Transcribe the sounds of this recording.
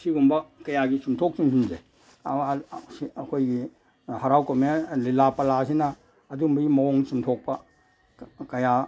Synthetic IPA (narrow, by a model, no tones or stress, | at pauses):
siɡumbɐkɐjaɡisumtʰok̚sinsʰunze | iɐkʰojɡi | hɐɾawkomelilapɐlas̬inɐː | dumbɐɡimɐoŋsumtʰok̚pɐ | kɐja